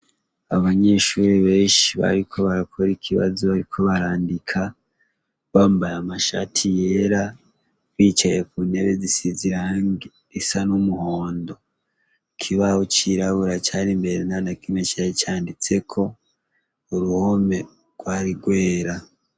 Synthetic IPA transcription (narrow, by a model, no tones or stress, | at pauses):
aβaɲe̞ʃuɾeβe̞ːʃiβa̰ɾikʰo̞βaɾakʰoɾikʰiβa̰zoβaɾikʰo̞βaɾaːndikʰa | βaːmbajamaʃa̰tʰijeɾa | βiːt͡ʃajekune̞βezisiziɾaːŋɡe | isanumuhoːndo̞ | kʰiβaot͡ʃiɾaβuɾat͡ʃaːɾimbe̞ɾenanakimet͡ʃahet͡ʃaːndit͡se̞kʰo̞ | uɾuho̞me̞ | ɡ̥waːɾiɡwe̞ːɾa